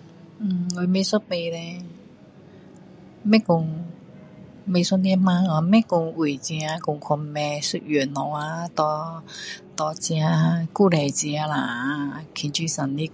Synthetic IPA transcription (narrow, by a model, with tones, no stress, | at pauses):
ŋo˧me˧sɔ˥pe˧lɛ˧ | mɛ˥kʊ˧ŋ | me˧jsɔ˥ni˧˥mãː˧˥a˧mɛ˦˥kʊ˧ŋu˨˩t͡ɕi˧a˧kʊ˧ŋkʰɔ˧m˧mɛ˧su˧˥t̚jø˨˩nɔ˧˩a˧t̪ɔ˧ | t̪ɔ˧t͡si˧a˧ku˥˧˩lɛ˨˩t͡si˧a˧la˨˩˧kʰi˨˩nt͡ɕi˧˩sa˨˩nli˦˥